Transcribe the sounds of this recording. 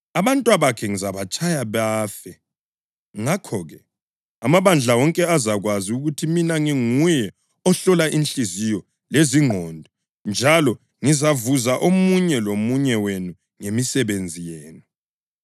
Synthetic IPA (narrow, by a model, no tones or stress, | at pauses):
aβantʼwaβakʰɛŋizaβat͡ʃʼajaβaːfɛ | ŋakʰɔɣɛ | amaβand͡ɮʱawɔŋkʼɛazaɣwaziuɣutʰiminaŋiŋujɛ | ɔɬɔlaʔinɬʼizijɔ | leziŋɔndʱɔ | nd͡ʒʱalɔ | ŋizavuzaʔomuɲɛlomuɲɛwenu | ŋemisɛβend͡zʱijeːnu